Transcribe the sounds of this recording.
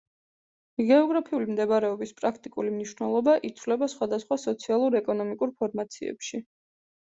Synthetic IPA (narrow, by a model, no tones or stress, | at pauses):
iɡɛɔɡɾapʰiulimd̪ɛbɾɛɔbispʼɾakʰt̪ʼikʼulimniʃwnɛlˠɔbaʔit̪sʰvlɛbasχwad̪asχwasɔt̪sʰialˠuɾɛkʼɔnɔmikʼuɾpʰɔɾmat̪sʰiɛ̰pʃi